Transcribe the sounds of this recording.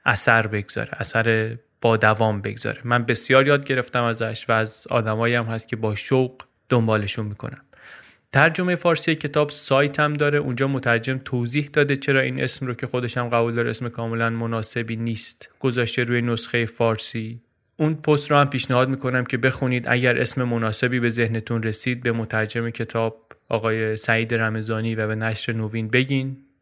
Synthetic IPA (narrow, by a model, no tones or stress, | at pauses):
ʔæsæɾbe̞ɡz̥ɒ̰ɾe̞̰ʔæsæɾe̞ | b̥ɒːd̪ævɒːmbe̞̰ɡz̥ɒ̰ɾe̞mænbe̞sjɒːɾjɒːd̪̚ɟe̞ɾe̞ft̪æmæzæʃvæːzɒ̰ːd̪æmɒːjiæmhæst̪̚cʰe̞bɒːʃowɡ | d̪̥ombɒːle̞ʃunmiːkʰo̞̰næm | t̪ʰæɾd͡ʒo̞me̞jefɒːɾsiːjecʰe̞t̪ʰɒːbsɒːjt̪ʰæmd̪ɒːɾe̞ʔund͡ʒɒːmot̪ʰæɾd͡ʒe̞mt̪ʰoːziːhd̪ɒːd̪e̞t͡ʃʰe̞ɾɒːʔiːnʔe̞̰smɾocʰe̞xo̞d̪e̞ʃæmɢævuːld̪ɒːɾeesmekʰɒːme̞lænmonɒːse̞biːniːst̪ɡ̥ozɒːʃt̪e̞ɾuːjenosxe̞jefɒːɾsiː | unpʰost̪ɾohæmpiːʃnæhɒːd̪̚miːko̞næmcʰe̞be̞xuniːd̪ʔæ̰ɟæɾʔe̞̰sme̞monɒːse̞biːbe̞ze̞hne̞t̪ʰunre̞siːd̪̚be̞mot̪ʰæɾd͡ʒe̞me̞cʰe̞t̪ʰɒːb̥̚ʔɒːɣɒːje̞sæiːd̪e̞ɾæme̞zɒːniːvæbenæʃɾe̞noviːnbe̞ɟin